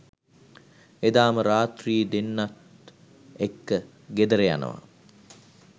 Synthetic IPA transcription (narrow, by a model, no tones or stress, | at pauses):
ed̪aːməɾaːt̪riːd̪enːat̪ | ekːə | ɡed̪əɾeja̰nə̰ʋa̰